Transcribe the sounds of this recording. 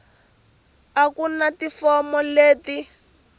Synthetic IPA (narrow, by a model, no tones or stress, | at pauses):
akunatifɔmɔleːti